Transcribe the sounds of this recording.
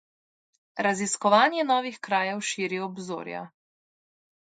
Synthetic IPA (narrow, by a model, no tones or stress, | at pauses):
ɾaziskɔʋaːnjɛnɔːʋixkɾaːjɛwʃiːɾiɔbzo̰ːɾja̰